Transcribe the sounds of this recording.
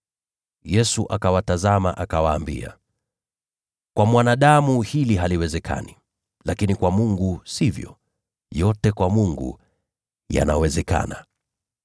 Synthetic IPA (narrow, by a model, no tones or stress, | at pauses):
jɛsuʔakawatazama̰ʔakawaːmbḭa̰ | kwamwanaɗamuhiliɦaliwɛzɛkʰa̰ni | lakinikwamuŋɡusivjɔ̰ | jɔtɛkwamuŋɡṵ | ja̰nawɛzɛka̰na